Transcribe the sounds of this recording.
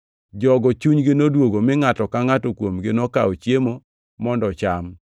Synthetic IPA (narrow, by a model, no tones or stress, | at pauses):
d͡ʒɔɡɔt͡ʃuɲɡɪnodwoɡomɪŋatɔkaŋatɔkwomɡɪnɔkaot͡ʃjemo | mɔndɔt͡ʃam